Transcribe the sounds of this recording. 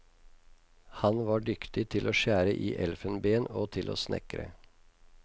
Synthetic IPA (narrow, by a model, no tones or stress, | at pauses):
hɑnʋɑːɖʏkt̪ɪt̪ʰɪlʔoːʃæːɾəʔiːʔɛlfənbeːnoːt̪ʰɪlʔo̰ːsnʔɛ̰kɾə̰